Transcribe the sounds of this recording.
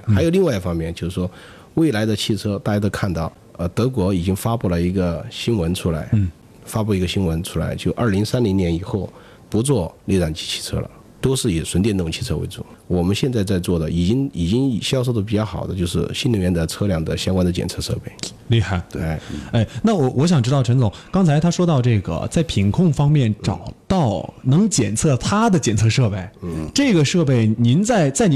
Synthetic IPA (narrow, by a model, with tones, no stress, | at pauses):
xa˧˥jo˨˩ʊli˥˧ŋwa˥˧ɪi˥˩fɑ˥ŋmjɛ˥˩nt͡ɕjo˥˧ʊʂɻ̩˥˧˩ʂwɔ˥ | we˥˩ɪla˧˥ɪd̪ə˧t͡ɕʰi˥˩t͡sʰɤ˥t̪a˥˩t͡ɕja˥t̪o˥ʊkʰa˥˧nt̪ɑ˥˩ʊ | ə˧˩t̪ɤ˧˥k̬wɔ˧˥i˨˩t͡ɕi˥ŋfa˥pu˥˩lə˩i˧˥ɡə˧ɕi˥nwə˧˥nʈ͡ʂʰu˥la˧˥ɪ | fa˥pu˥˩i˧˥ɡə˧ɕi˥nwə˧˥nʈ͡ʂʰu˥la̰˧˥ɪt͡ɕjo˥˧ʊ˧ʔə̰˞˥˩li˧˥ŋsa˥nli˧˥ŋnjɛ˧˥ni˨˩xo˥˩ʊ | pu˧˥t͡swɔ˥˧le˥˧ʈ͡ʂa˥˩nt͡ɕi̥˧˥t͡ɕʰi̥˥˩t͡sʰɤ̰˥lə̰˨ | t̪o˥ʊʂɻ̩˥˩i˨˩ʂwə˧˥nt̪jɛ˥˧n˥˩ʈ͡ʂʊ˨˩ŋt͡ɕʰi˥˩t͡sʰɤ˥wḛ˧˥ɪt͡sṵ˥˩ | wɔ˨˩mə˦nɕjɛ˥˧nt͡sa˥˧ɪt͡sa˥˧ɪt͡swɔ˥˩d̪ə˩i˨˩t͡ɕi˥ŋi˨˩t͡ɕi˥ŋ˨˩ɕjɑ˥ʊʂo˥˩ʊd̪ə˩p̬i˨˩t͡ɕjɑ˥˩ʊxɑ˨˩ʊd̪ə˦t͡ɕjo˥˧ʊʂɻ̩˥˩ɕi˥nli˧˩jɛ˥˩nd̪ə˩t͡sʰɤ˥ljɑ˥˩ŋd̪ə˨ɕjɑ˥ŋkwa˥nd̪ə˨t͡ɕjɛ̰˨˩nt͡sʰɤ˥˧ʂɤ̰˥˧pe˥˩ɪ | li˥˧xa˥˩ɪt̪e˥˧˩e˥˩ɪna˥˩wɔ˧˩wɔ˧˥ɕ̬jɑ˨˩ŋʈ͡ʂɻ̩˥t̪ɑ˥˩ʈ͡ʂʰɤ˧˥nt͡sʊ˧˥˦ŋkɑ˥ŋt͡sʰa˧˥ɪt̪ʰa˥ʂwɔ˥t̪ɑ˥˧ʊʈ͡ʂɤ˥˩ɡə̰˩t͡sa˥˩ɪpʰi˧˥nkʰʊ˥˩ŋfɑ˥ŋmjɛ˥˩nʈ͡ʂɑ̰˨˩ʊt̪ɑ˥˩ʊnɤ˧˥ŋt͡ɕjɛ˨˩nt͡sʰɤ˥˩t̪ʰa˥d̪ə˨t͡ɕjɛ˨˩nt͡sʰɤ˥˧ʂɤ˥˧pe˥˩ɪʈ͡ʂɤ˥˩ɡə˩ʂɤ˥˧p̬e˥˩ɪni˧˥nt͡sa˥˧ɪt͡sa˥˩ɪn˧